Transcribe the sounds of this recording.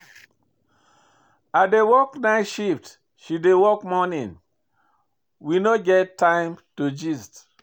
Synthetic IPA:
adewɔknaɪʃift | ʃidewɔkmɔnĩn | winoɡɛttːãɪ̃mtud͡ʒist

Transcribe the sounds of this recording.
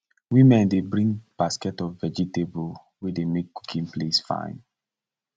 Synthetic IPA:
wimɛ̃ndebɹĩŋɡb̥askɛtɔvvɛd͡ʒitebol | wedemek̚ku̥kʰĩnplesfã̰ɪ̃n

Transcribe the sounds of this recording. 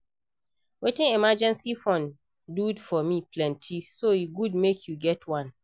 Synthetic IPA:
wetɪ̃ŋɛmad͡ʒɛ̃nsifɹɔ̃n | dudfɔmipʰlɛ̃ntʰisojuɡud̚mekʰjuɡɛtʰwãn

